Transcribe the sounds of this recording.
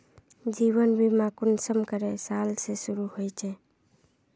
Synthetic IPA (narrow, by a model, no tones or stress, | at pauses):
d͡ʒiwənbʱimakʊnsəmkəɾesalsesʊɾuhojt͡ʃʰe